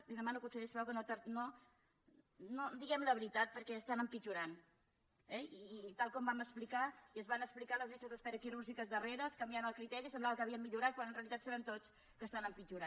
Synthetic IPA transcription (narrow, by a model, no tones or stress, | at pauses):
liðəmanukunsəðesβɛwkənot̪əɾno | nod̪iɣɛmləβɾit̪at̪̚pəɾkɛəst̪anəmpid͡ʒuɾan | ɛit̪alˠkɔmbaməsplikaiəzβanəksplikaləzlisəzəspɛɾəkiɾuʒikəzðəreɾəskəmbjaβənəlˠkɾit̪ɛɾisəmblaβəkəβiəmmːiʎuɾat̪̚kwanənreəlit̪at̪səɾɛnt̪ot͡s | kəst̪anəmpid͡ʒuɾa